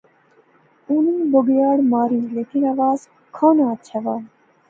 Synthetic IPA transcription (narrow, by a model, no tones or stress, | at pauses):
uniːboɡjaːɽmaːɾiːleːkinaʋaːz | kʰõːnãtt͡ʃʰaʋaː